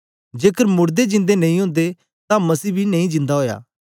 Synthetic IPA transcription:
d͡ʒeːkəɾmʊɾd̪ed͡ʒɪ̃nd̪enɐ̃ĩɦʊ̃ːnd̪e | t̪ãmɐsiːbʱinɐĩd͡ʒɪ̃nd̪aɦoːja̰ː

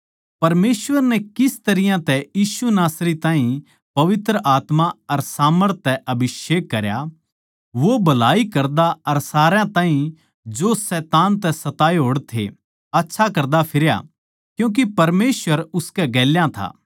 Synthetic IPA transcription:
pɐɾmeːsʋəɾnɛkɪst̪ɐɾɪjãt̪ɛjiːsunaːsɾit̪ãːɦĩ | pɐʋɪt̪ɾəʔaːt̪maɐɾsaːməɾt̪ʰːɛʔɐbʱɪʃeːkːɐɾja̰ | ʋobɐlaːikɐɾd̪aɐɾsaːɾãt̪ãːɦĩ | d͡ʒosɛːt̪aːnt̪̬ɛsɐt̪aːeɦoːɽt̪ʰḛ | ɐtːʃʰakɐɾd̪apʰɪɾja̰ | kjũːk̬ipɐɾmeːsʋəɾʊskɛɡɛːljãt̪ʰa̰ː

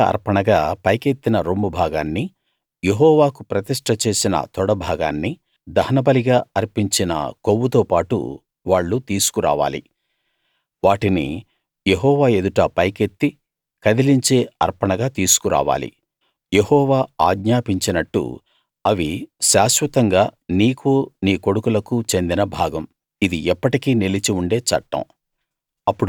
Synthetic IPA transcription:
ɐ̰ɾpɐɳɐɡaːpɐjke̞t̪ːinɐɾomːubʱaːɡaːnːi | jeɦɔːʋaːkupɾɐt̪iʂʈʰɐt͡ʃe̞ːsinɐ̰t̪ɔɽɐbʱaːɡa̰ːnːi | d̪ɐhɐnɐbɐliɡaːɐɾpiɲt͡ʃinɐ̰kowːut̪oːpaːʈṵ | ʋaːɭːut̪iːsu̥kuɾa̰ːʋa̰ːlḭ | ʋaːʈinḭ | jeɦɔːʋaːe̞d̪uʈɐpɐjket̪ːi | kɐd̪iliɲt͡ʃe̞ːɐ̰ɾpɐɳɐɡaːt̪iːsu̥kuɾʔa̰ːʋa̰ːlḭ | jehɔːʋaːaːɡɲaːpiɲt͡ʃinɐʈːṵ | ɐʋiʃaːʃʋɐt̪ɐŋɡaːniːkuːniːko̞ɽukulɐkut͡ʃe̞nd̪inɐbʱaːɡɐm | id̪iʔɛpːɐʈikiːnilit͡ʃiuɳɖe̞ːt͡ʃɐ̰ʈːɐ̰m | ɐpːuɽ

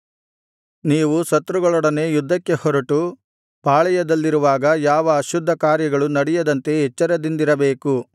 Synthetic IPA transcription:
niːʋusɐt̪ːɾuɡɐɭɔɽɐne̞ːjud̪ʱːɐkːe̞hɔɾɐʈu | paːɭɛjɐd̪ɐlːiɾuʋaːɡɐjaːʋɐːʃud̪ʱːɐkaːɾjɐɡɐɭunɐɽɛjɐd̪ɐnt̪e̞ɦɛt͡ʃːɐɾɐd̪ind̪iɾɐbeːku

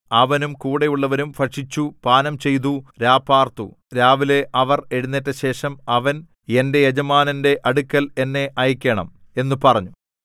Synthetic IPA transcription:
ɐʋɐnumkuːɽejuɭːɐʋɐɾumfɐʂit͡ɕːupaːnɐmt͡ɕe̞jt̪̬uɾaːpːaːrt̪ṵ | ɾaːʋile̞ʔɐʋɐre̞ɻunːitːɐɕe̞ːʂɐmɐʋɐn | e̞nde̞jed͡ʑɐmaːnɐnde̞ʔɐɽukːɐle̞nːe̞ʔɐjikʲːeɳɐ̰m | e̞nːupɐrɐɲːu

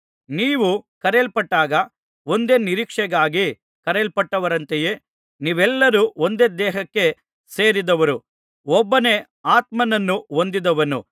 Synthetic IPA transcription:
niːʋukɐɾelpɐʈːaːɡɐ | o̞nd̪e̞ːniɾiːkʂɛɡaːɡi | kɐɾelpɐʈːɐʋɐɾɐnt̪eje̞ː | niːʋɛlːɐɾuond̪eːd̪ɛːɦɐkːe̞ | se̞ːɾid̪ɐʋɐɾu | ɔbːɐne̞ | aːt̪mɐnɐnːuond̪id̪ɐʋɐnṵ

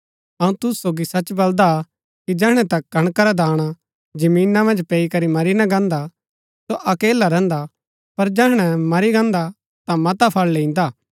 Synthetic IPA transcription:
ɐũt̪ʊssoːɡisɐt͡ʃbɐld̪a | kid͡ʒɛːɽ̃ɛ̃t̪ɐk̚ɡʱɐɽ̃kaɾad̪aːɽ̃a | d͡ʒɐmiːnamɐ̃nd͡ʒpɛːikɐɾimɐɾinɐɡãːnd̪a | soʔɐkeːlaɾɛ̃ːnd̪a | pɐɾd͡ʒɛɦɽ̃ɛmɐɾiɡãːnd̪a | t̪ãmɐt̪apʰɐɭlẽːĩn̆d̪aː

